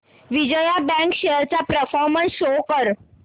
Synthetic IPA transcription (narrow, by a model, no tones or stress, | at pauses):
ʋid͡ʑəjabɛ̃ŋkɕeɾt͡ɕapɾəfɔɾmənsɕokəɾ